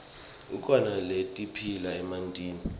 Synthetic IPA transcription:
ṵkʰʼɔnaletʼipʰilaɛmantʼiːni

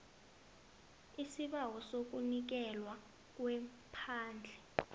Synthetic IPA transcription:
isiɓawɔsok̬unik̬ɛlwa | k̬wɛ | pʰaːnd͡ɮʱɛ

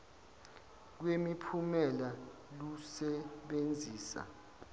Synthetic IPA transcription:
k̬wemipʰumɛla | lusɛɓend͡zʱiːsa̰

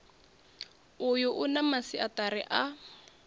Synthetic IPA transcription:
ʊjʊʔʊnamasiʔatarɪʔa

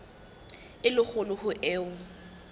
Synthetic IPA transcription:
ɪlʊχʊlʊhʊʔɛːʊ

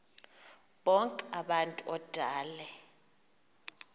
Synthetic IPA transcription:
ɓɔŋkʼɛaɓantʼuʔɔd̥ʱaːlɛ

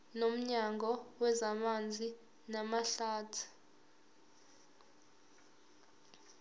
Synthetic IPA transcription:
nom̩ɲaŋɔwɛzamand͡zʱi | namaɬaːtʰu̥

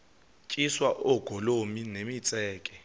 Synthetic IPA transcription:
t͡ʃʼiswaʔʊɡ̥ʱolominemit͡sʼɛːkʼɛ

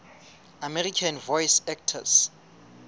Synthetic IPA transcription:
amɛrikʰanvɔjsɛk̚tʰa̰s

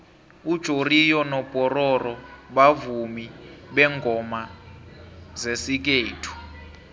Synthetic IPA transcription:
ud̥ʒ̥ʱorijɔnɔpʼɔrɔrɔɓavumiɓɛŋɡʱɔma | zesik̬eːtʰu̥

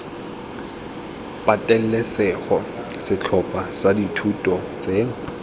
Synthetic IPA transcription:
pʼatʼɛl̩lɛsɛχɔ | sɪt͡ɬʰɔpʼasaditʰutʼɔt͡sʼe

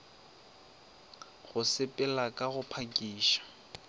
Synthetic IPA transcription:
ɣʊsɪpʼɛlakʼaɣʊpʰakʼiːʃḁ

